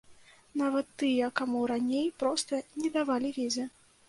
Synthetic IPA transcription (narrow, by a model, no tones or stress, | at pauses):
navɐt̪ːɨjɐkamuɾanʲejpɾɔst̪ɐnʲɛd̪avalʲivʲezʲɛ